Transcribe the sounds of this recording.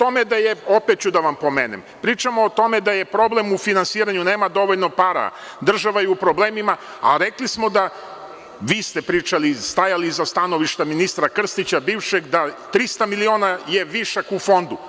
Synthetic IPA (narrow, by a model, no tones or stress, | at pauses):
t̪o̞me̞d̪ajeopet̪̚t͡ɕud̪aʋampo̞meːnḛmpɾiːt͡ʃamoːt̪o̞med̪aje̞pɾo̞ble̞mufinansiːɾaɲune̞ːmad̪o̞ʋoʎnopaɾa̰ | d̪r̩ʒaʋajeupɾo̞bleːmima | a̰ɾeklismo̞d̪a | ʋiːst̪epɾiːt͡ʃalist̪ajalizast̪ano̞ʋiʃt̪aminist̪ɾakr̩st̪it͡ɕabiːʋʃeɡd̪at̪ɾist̪amilio̞ːnaje̞ʋiʃakufo̞nd̪u